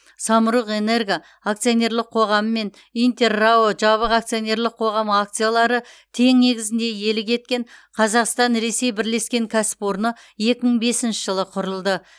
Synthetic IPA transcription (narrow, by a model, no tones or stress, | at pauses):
sɑməɾuqe̞ne̞ɾɡʲija | ak̚t̪sijone̞ɾlɪqʰo̞ʁɑməme̞n | ijnt̪e̞rːawoʒɑβəʁakt̪sijonʲe̞ɾlɪqʰo̞ʁɑmakt̪sɨjalˠɑɾət̪ʰe̞ŋne̞ɡʲɪzɪnd̪e̞je̞lɪkʲʰe̞t̪̚kʲe̞ɴqʰɑzɑqst̪ɑnɾe̞se̞jbɪɾle̞skʲe̞ŋkʲʰæsɪ̥po̞ɾnə | je̞kʲɪməɴbe̞sɪnʃɪʒ̥əlˠəqʰʊɾəlˠd̪ə